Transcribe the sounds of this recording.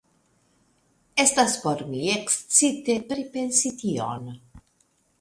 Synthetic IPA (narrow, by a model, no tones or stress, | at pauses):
ɛst̪asfɔɾmiekst͡sit̪epɾipensit̪io̰n